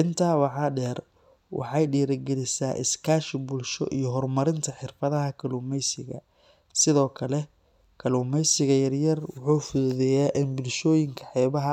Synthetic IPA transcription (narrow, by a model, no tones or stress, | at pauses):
ʔɪnt̪ʰaːwɑħɑːɖɛːr | wʔɑ̰ħɑjɖiːɾɐɡɛlɪsaːʔɪ̰skʰaːʃɪbʊlʃɔ̰ʔḭjɞɦɔrmɐɾɪnt̪ʰɐħɪrfɐðɐɦɐkʰɐluːmɛjsɪɣɐ̰ | sɪðɔːkʰɐlɛ | kʰɐluːmɛjsɪɣɐjɐrjɐrwʊħuːfʊðʊðɛjaːʔɪnbʊlʃɔːjɪŋkʰɐ̥ħɛːβɐɦɐ